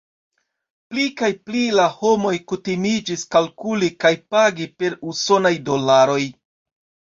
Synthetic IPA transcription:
plikajplilaho̞mo̞jkutimid͡ʒiskalkulikajpaɡipe̞ɾuso̞najdo̞laɾo̞j

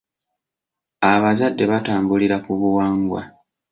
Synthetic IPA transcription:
aβazadːe̞βataːmbuliɾakuβuwaːŋɡwa̰

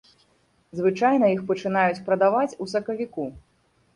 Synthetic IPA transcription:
zvɨt͡ʂajnɐixpɐt͡ʂɨn̪ajut͡sʲpɾɐd̪avat͡sʲusɐkɐvʲiku

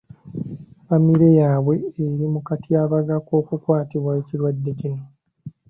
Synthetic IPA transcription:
famiɾe̞jaːβwe̞ːɾimukatijaβaɡako̞ːkukwaːtiβwaeciɾwadːe̞cino

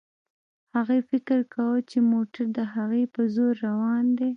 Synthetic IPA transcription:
haɣefɪkəɾkʰawət͡ʃemoʈaɾd̪əɦaɣepəzoɾːawɑnd̪e

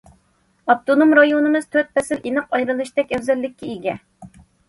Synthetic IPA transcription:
ɑpt̪ʰonomɾɑjonɨmɨz̥t̪ʰøt̪̚pʰɛsɪlinɨqɑjɾɨlˠɨʃt̪ɛkʲɛwzɛlːɪkʲːiiɡʲɛ

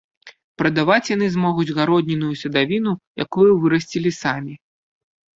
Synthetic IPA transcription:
pɾɐd̪avat͡sʲjan̪ɨzmɔɣud͡zʲɣaɾɔd̪̚ʲnʲinujusʲɐd̪avʲinuja̰kujuvɨɾɐsʲt͡sʲilʲisamʲi

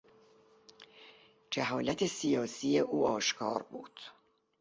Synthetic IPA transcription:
d͡ʒeɦɒːlæt̪ʰe̞sijɒːsije̞ʔuːɒːʃkʰɒ̰ːɾbuːd̪̥

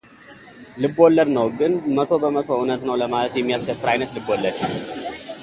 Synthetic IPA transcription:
lɨbolːəɾnəwɡɨnmət̪ʰo̞bəmət̪ʰo̞ʊnət̪nəwləmalət̪jɛmːijaskəfːɨɾajnət̪lɨbolːəɾt͡ʃi

